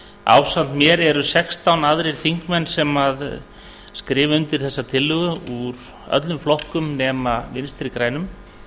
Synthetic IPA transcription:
a̰wsan̥t̪mjɛɾɛɾʏsɛkst̪awnaðɾɪɾ̥θiŋkmɛnːsɛmað | skɾɪːvʏnt̪ɪɾ̥θɛsːat̪ʰɪlːʏɣʏuɾ | œ̰t̪lʏmflɔhkʏmnɛːmavɪnst̪ɪɾikɾaːjnʏm

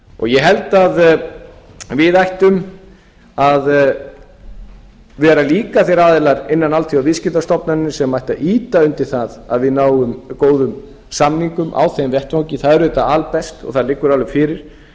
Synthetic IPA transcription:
ɔ̰ɣjɛɦɛlt̪að | vɪðajht̪ʏm | að | vɛɾaliːkaθejɾaːðɪlaɾɪnːanalt̪ʰiavɪðscɪt̪ast̪ɔpnanɪsɛmːajht̪aʔiːt̪aʏnt̪ɪɾ̥θaða̰ðvɪðnaːwʏmkoːwðʏm | samniŋkʏmʔa̰wθejmvjɛht̪fawŋcɪθaðɛɾʏðɛːt̪aalpɛst̪ɔ̰ɣθaðlɪkːʏɾawlʏmfɪːɾɪɾ̥

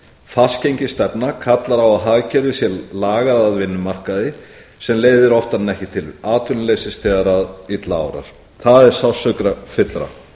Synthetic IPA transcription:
fascejɲcɪst̪ɛpnakʰat̪laɾawaðɦaɣcɛɾvɪsjɛlaːɣaðaðvɪnːʏmar̥kaðɪ | sɛmleːjðɪɾɔft̪anːɛhcɪt̪ʰɪlaːt̪ʰʏnlejsɪst̪ʰɛɣaɾaðit̪laa̰wɾa̰ɾ̥ | θaðɛɾ̥sawsœkɾafɪt̪lɾa̰

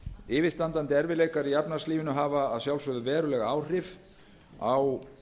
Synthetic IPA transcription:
ɪːvɪst̪ant̪ant̪ɪɛɾvɪleːjkaɾijapnḁsliːvɪnʏɦaːvaːðsjawlsœðʏvɛːɾʏlɛɣaaːwr̥ɪv | aw

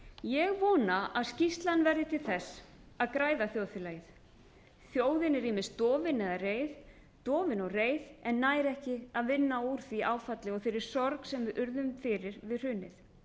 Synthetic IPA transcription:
jɛɣvɔːnaʔaðscist̪lanvɛɾðɪt̪ʰɪlθɛs | aðkɾaːjðaθjoːwθɪlaːjɪθ | θjoːwðɪnɛɾɪmɪst̪ɔːvɪnɛðareːjð | t̪ɔːvɪnɔɣreːjðɛnːaːjɾɛhcɪaðvɪnːauːɾ̥θviʔaːwfat̪lɪɔɣθejɾɪɾ̥sɔɾksɛmvɪðʔʏɾðʏmfɪɾɪɾvɪðr̥ʏːnːɪθ

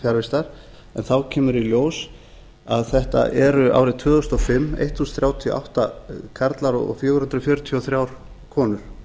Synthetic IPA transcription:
fjaɾvɪst̪aɾ̥ | ɛnθawcʰɛːmʏɾiljoːws | aðθɛht̪a̰ʔɛɾʏʔa̰wɾɪðt̪ʰvʏːðɔst̪ɔfɪmːḛjht̪huːsθɾjaːwt̪ʰiɔ̰ʔa̰wht̪akʰaɾt̪laɾɔ̰ɣɔ̰fjʏːvʏɾhʏnt̪ɾfjœɾʏt̪ʰiɔθɾjawɾ̥ | kʰɔːnʏɾ̥

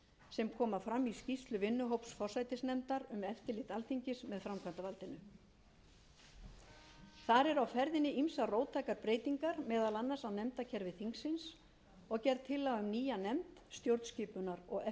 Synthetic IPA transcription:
sɛmkʰɔːmafɾamːiscist̪lʏvɪnːʏɦowpsfɔr̥sajt̪ɪsnɛmt̪aɾʏmɛft̪ɪlɪt̪alt̪ʰiɲcɪsmɛðfɾamkʰvant̪avalt̪ɪnʏ | θaɾɛɾawfɛɾðɪnɪimsaroːwt̪ʰaːjkaɾpɾeːjt̪iŋkaɾmɛːðalanːasaðnɛmt̪acʰɛɾvɪθiŋksɪns | ɔɣcɛɾt̪ʰːɪlːaɣʏmniːjanɛmt̪st̪jowɾt̪scɪːpʏnaɾɔɣɛ

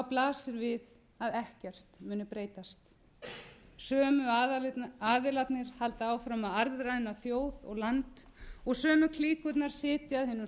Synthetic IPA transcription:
awplaːsɪɾvɪð | aðɛhcɛr̥t̪mʏːnːʏpɾeːjt̪ast̪ | sœːmʏaaːðɪlat̪nɪɾ̥halt̪aaːwfɾamaðaɾðɾaɪnaθjoːwðɔ̰ɣlant̪ | ɔɣsœːmʏkʰliːkʏt̪naɾ̥sɪːt̪ɪaðhɪnːʏ

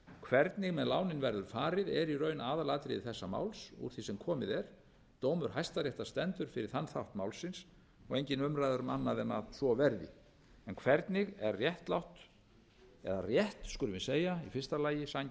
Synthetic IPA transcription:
kʰvɛɾt̪nɪɣmɛðlaːwnɪnvɛɾðʏɾ̥faːɾɪðɛɾirœːɥnaːðalat̪ɾɪθɛsːama̰ːwlsṵɾ̥θisɛmkʰɔːmɪðɛɾ | t̪oːwmʏɾ̥ɦajst̪aɾjɛht̪ast̪ɛnt̪ʏɾ̥fɪɾɪɾ̥θanːθawht̪maːwlsːɪns | ɔɣejɲcɪnʏmɾajðʏɾmanːaðɛnːa̰θɔvɛɾðɪ̰ | ɛnkʰvɛɾt̪nɪɣɛɾrjɛht̪lawht̪ | ɛ̰ðarjɛht̪skʏɾʏmɪseːjaifɪr̥st̪alaːjɪsaɲ

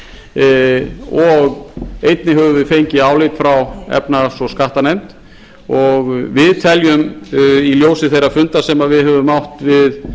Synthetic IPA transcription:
ɔɣejt̪nɪɦœvʏvɪðfejɲcɪaːwlet̪fɾawɛ̰pnasɔskaht̪anejmt̪ | ɔɣvɪðt̪ʰɛljʏmiljowsɪθejrːafʏnt̪asɛmaðvɪðhɦœvʏmawht̪vɪð

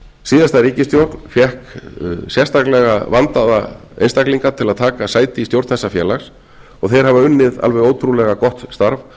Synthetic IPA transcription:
siːðast̪aɾiːcɪst̪jowɾt̪n̥fjɛhksjɛst̪aklɛɣavant̪aða | ḛjnst̪akliŋkat̪ʰɪlaðt̪ʰaːkasaːjt̪ɪist̪jowɾt̪θɛsːafjɛːlaxs | ɔɣθejɾ̥havaʏnːɪða̰lvɛɣoːwt̪ʰɾulɛɣakɔht̪st̪aɾv

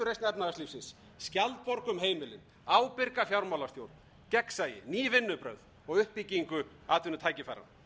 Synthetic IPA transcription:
ʏrejstnɛpnaast̪liːfsɪnsː | calt̪̚pɔɾkʏmɦeːjmɪlɪn | aːwpɪɾkafjawɾmawlast̪jowɾt̪n | cɛksajɪ̰niːvɪnːʏpɾœ̰ɥð | ɔɣʏhpːiciŋkʏ | aːt̪ʰʏnʏt̪ʰaːjcɪfajɾa̰n

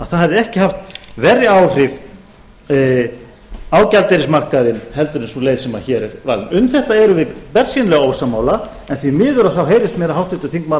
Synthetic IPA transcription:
aðθaðhɛvðɪɛhcɪhaft̪vɛrːjɪaːwr̥ɪv | aːwcalt̪eɾɪsmar̥kaðɪnhɛlt̪ʏɾɪnsuleːjðsɛmaçɛːɾɛɾva̰ːlnʏmθɛht̪aɛɾʏvɪpɛr̥sinlɛɣaoːwsamaːwla | ɛnθvimɪːðʏɾaðθawɦeːjɾɪst̪mɛːɾaɦawht̪vɪt̪ʏ̥θiŋkma

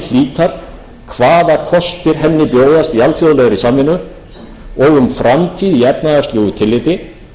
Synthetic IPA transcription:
l̥iːt̪aɾ̥ | kʰvaːðakʰɔst̪ɪɾ̥ɦɛnːɪpjoːwðast̪ialt̪fjoðʏlɛɣɾisamɪnːʏ | ɔɣʏmfɾamt̪ʰiːðiɛpnaðast̪ljuːɣʏt̪ʰɪlːɪːt̪ɪ

